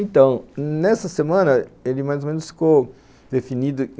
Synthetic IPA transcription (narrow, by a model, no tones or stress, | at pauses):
ẽt̪ɐ̃w̃nɛsɐsemɐ̃nɐelɪmajzomẽnʊsfi̥kow | d̪efinid̪ʊ